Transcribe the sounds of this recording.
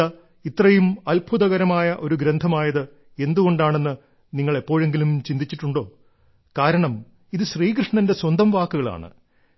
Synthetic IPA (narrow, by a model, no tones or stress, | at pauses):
ɐ | it̪rɐjumɐlbʰʱuðɐɣɐɾɐmaːjɐʔo̞ɾuɡɾend̪ʱɐmaːjɐðɨ | e̞nd̪uɣo̞ɳɖaːɳe̞nːɨ | niŋːɐɭepːo̞ːɻe̞ŋɡilumt͡ɕind̪it͡ɕːiʈːuɳɖo̞ː | kaːɾɐɳɐm | iðɨɕriːkrɨʂɳɐnde̞swɐnd̪ʱɐmʋaːkːuɣɐɭa̰ːɳɨ̰